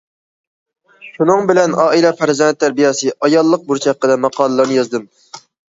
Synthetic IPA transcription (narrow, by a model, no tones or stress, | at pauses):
ʃunɨŋbɪlɛnɑːilɛpʰæɾzɛnt̪ʰːæɾbijɛsɨʔɑjɑlˠːəq̚buɾt͡ʃʰɛqːəd̪ɛmɑqʰɑːlˠɨlˠɨɾnɨjɑzd̪ɨm